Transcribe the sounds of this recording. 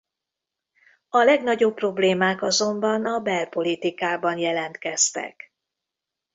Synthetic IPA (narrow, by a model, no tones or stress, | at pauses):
ɒlɛɡnɒɟo̞pːro̞bleːmaːkɒzo̞mbɒnɒbɛlpo̞lit̪ikaːbɒnjɛlɛnt̪kɛst̪ɛ̰k